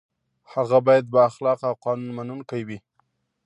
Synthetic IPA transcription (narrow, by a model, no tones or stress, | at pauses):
haɣabɑjad̪̚baaxlɑqawqɑnunmanunkawi